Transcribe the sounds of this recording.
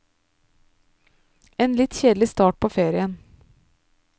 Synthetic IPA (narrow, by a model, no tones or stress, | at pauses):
eːnlɪt̪çeːd̪l̩ɪst̪ɑːʈ̚pʰoːfeːɾɪən